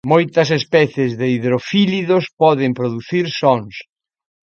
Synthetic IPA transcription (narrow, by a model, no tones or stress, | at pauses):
mojt̪ɐsespɛθjezðeiðɾofiliðospɔðɪmpɾoðuθiɾsɔŋs